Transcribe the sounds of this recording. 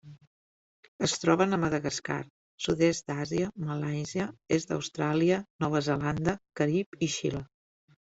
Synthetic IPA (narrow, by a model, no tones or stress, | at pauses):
əst̪ɾɔβənəməðəɣəska̰ɾ | suðɛs̚d̪aziəməlajziəezd̪ə̰wst̪ɾaliənɔβ̞əzəland̪əkəɾipiʃḭlə